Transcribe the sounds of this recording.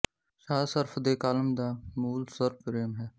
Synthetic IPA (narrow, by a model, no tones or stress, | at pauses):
ʃaːsəɾfd̪eːkaːləmd̪aːmuːlsəɾfɾeːmɦɛː